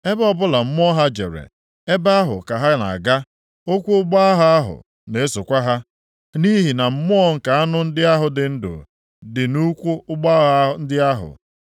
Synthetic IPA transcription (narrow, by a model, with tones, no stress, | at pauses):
e˦bɔ˦bʊ˦la˨m̩˦m˦ɔ˦ɦa˦d͡ʒḛ˨ɾḛ˨ | e˦ba˦a˦ɦʊ̰˨ka˨ɦa˦na̰˨a˨ɡa˦ | o˦kʷu˦ʊ˦ɡ͡ba˦a˦ɦa˦a˦ɦʊ̰˨ | ne˨e˦so˨kʷa˦ɦa˦ | ni˦ɦi˨na˨m̩˦mʊ˦ɔ˦ŋ̩˨ka˨a˦nʊ˦n̩˦dɪ˦a˦ɦʊ˨dɪ˨n̩˦dʊ̰˨ | dɪ˨nu˦kʷu˦ʊ˦ɡ͡ba˦ɦn̩˦dɪ˦a˦ɦʊ̰˨